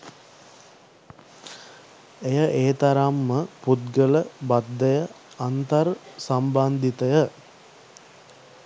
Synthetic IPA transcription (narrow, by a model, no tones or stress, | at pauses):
ejəʔeːt̪aɾamːəput̪ɡələbad̪ːəjə | ant̪əɾsamband̪it̪əjə